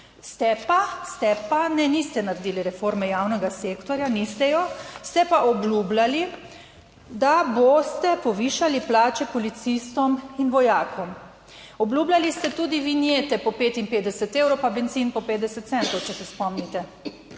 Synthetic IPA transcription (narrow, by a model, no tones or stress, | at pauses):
st̪ɛpast̪ɛpanɛnist̪ɛnaɾɛd̪iːliɾɛfoɾmɛjaːwnɛɡasekt̪ɔɾjanist̪ɛjɔst̪ɛpaʔɔblublali | d̪abost̪ɛpɔʋiːʃaliplaːt͡ʃɛpɔlit̪sist̪ɔminʋɔjaːkʰɔm | ɔblublalist̪ɛt̪uːd̪iʋinjet̪ɛpɔpeːt̪inpeːd̪ɛsɛt̪ewɾɔwpabɛnt̪siːnpɔpeːd̪ɛsɛt̪t̪sɛnt̪ɔwt͡ʃɛsɛspɔmnit̪ɛ